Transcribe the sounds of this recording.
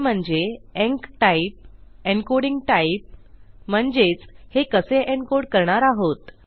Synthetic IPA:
m̤əɳd͡zeɛ̃ŋkʈaip̚eɳkoɽiŋɡʈaip̚m̤əɳd͡zet͡shekəseʔeɳkoɽkəɾɳaɾaɦot̪

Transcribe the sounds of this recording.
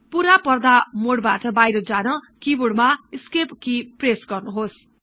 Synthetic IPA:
puɾapʌrd̪amoɽbaʈʌbajɾʌd͡zanʌkibuɽmaiskepkipresɡʌrnuɦos

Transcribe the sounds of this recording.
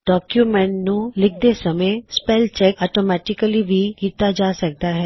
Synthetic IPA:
ɖɔːkjumɛ̃ɳʈnũlɪk̚ʰd̪esɐməspɛːlt͡ʃɛkɔːʈoːmɛːʈɪkəlibʱikiːt̪ad͡ʒaːsɐk̚d̪aɦɛː

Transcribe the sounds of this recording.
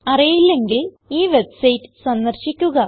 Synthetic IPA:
ɐrijilːe̞ŋɡil | iːʋe̞bsɐjtːɨ̥sɐnd̪ɐrɕikʲːuɣɐ

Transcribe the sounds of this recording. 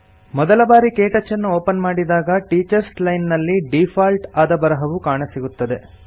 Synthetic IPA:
mɔd̪ɐlɐbaːɾikeːʈɐt͡ʃːɐnːuoːpɐnmaːɽid̪aːɡɐʈiːt͡ʃɐɾslɐjnːɐlːiɖipʰaːlʈaːd̪ɐbɐɾɐɦɐʋukaːɳɐsiɡut̪ːɐd̪e̞

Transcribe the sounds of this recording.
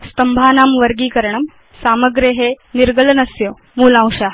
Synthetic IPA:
st̪ɐmbʱaːnaːmʋəɾɡiːkəɾɳɐm | saːməɡɾeɦe | niɾɡələnɐsjo | muːlãw̃ʂa

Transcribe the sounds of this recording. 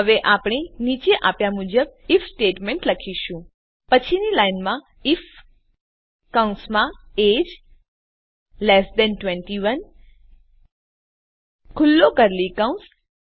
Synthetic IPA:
əʋeʔapɽ̃enit͡ʃeʔapjamud͡ʒəb̚ifsʈeʈmeɳʈləkʰiʃũ | pət͡ʃʰinilajnmã | if | kaũnsmãed͡ʒ | lesd̪ɛnʈʋẽɳʈiʋən | kʰʊlːokəɾlikaũns

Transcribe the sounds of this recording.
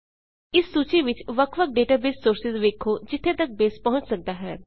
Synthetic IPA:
ɪsːuːt͡ʃiːʋɪt͡ʃʋəkʰʋək̚ɖeːʈaːbeːsːoːɾsɪzʋeːkʰoːd͡ʒɪt̪ʰːeːt̪ək̚beːspɔɦʊ̃ɲt͡ʃsək̚d̪aːɦɛː

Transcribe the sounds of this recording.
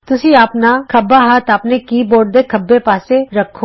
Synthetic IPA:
t̪ʊsĩapnakʰɐbːaɦaːt̪aːpnekiboːɽ̚d̪ekʰɐbːepaːseɾɐkʰːoː

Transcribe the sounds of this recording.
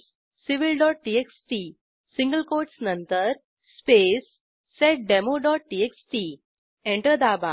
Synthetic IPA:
siʋilɖɔːʈ̚ʈieksʈi | sĩŋɡəlkoːɾʈsnənt̪əɾ | spesː | eʈ̚ɖemoɖɔːʈ̚ʈiːeksʈi | ẽɳʈəɾd̪aːbʱa

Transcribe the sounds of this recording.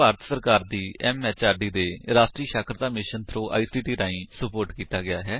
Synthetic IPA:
aːɾət̪səɾkaːɾd̪iːɛːmːɛːt͡ʃaːɾɖiːd̪eːɾaːʃʈɾiːʃaːkʰɾd̪aːmɪʃənt̪ʰɾõːʔa̰ːiːsiːʈiːɾãːĩːsəpoːɾʈkiːt̪aːɡɪjaːɦɛː

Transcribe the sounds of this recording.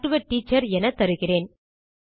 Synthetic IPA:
ʈɯʋɐʈːiːt͡ʃːɐɾɛnɐt̪ɐɾɯɣɪreːn

